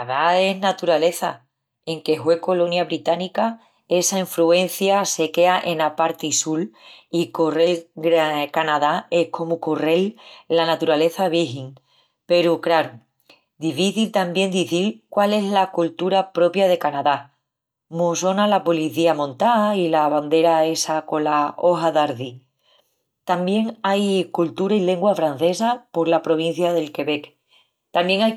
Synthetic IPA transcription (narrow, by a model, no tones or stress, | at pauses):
aaðae̞ɦnat̪uɾale̞θa̰ | e̞ŋke̞ɦwe̞ko̞lo̞njaβɾit̪anika | e̞saiɱfɾue̞nθjase̞ke̞aʔe̞napaɾt̪isulikore̞lɡɾkanað̞ae̞hkʰo̞mukore̞lːanat̪uɾale̞θaβ̞iɦiŋ | pe̞ɾukɾaɾu | d̪ifiθilt̪ambje̞nd̪iθilkwale̞zlakult̪uɾapɾo̞pjaðe̞kanaða | moso̞nalapo̞liθiamõnt̪ailaβand̪e̞ɾae̞sako̞lao̞ɦaðaɾði | t̪ambje̞ŋajkult̪uɾaile̞ŋɡwafɾan̟θe̞sapo̞ɾlapɾo̞β̞in̟θjaðe̞lke̞βe̞k | t̪ambje̞ŋaj